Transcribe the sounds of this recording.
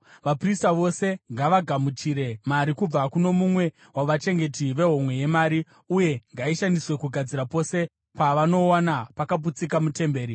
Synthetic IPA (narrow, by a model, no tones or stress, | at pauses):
ʋapristaʋo̞se̞ŋɡaʋaɡʱamut͡ʃiɾe̞maɾikub͡vakuno̞mumwe̞ | waʋat͡ʃe̞ŋɡe̞tiʋe̞ɦo̞mwe̞je̞maːɾi | uje̞ŋɡaiʃandiswe̞kuɡʱad͡ziɾapo̞se̞ | paʋano̞wanapakab̬ut͡sikamute̞mbe̞ːɾi